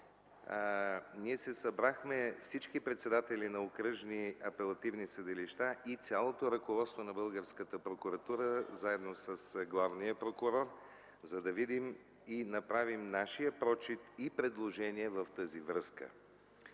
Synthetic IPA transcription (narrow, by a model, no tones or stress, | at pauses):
niɛsɛsɐbɾaxmɛfsit͡ʃkipɾɛt̪sɛd̪at̪ɛlʲinɐokɾəʒniɐpɛlˠɐt̪ivnisəd̪ɛliʃt̪aʔit̪sʲalˠot̪oɾɐkovɔt̪st̪vonɐbɤlˠɡəɾskət̪əpɾokʊɾɐt̪uɾəzaɛd̪nosəsɡlˠavnijəpɾokʊɾɔɾ | zɐd̪ɐvid̪im | inɐpɾavimnaʃijəpɾɔt͡ʃit̪ipɾɛd̪lˠoʒɛniɛvɐft̪əzivɾəskə̰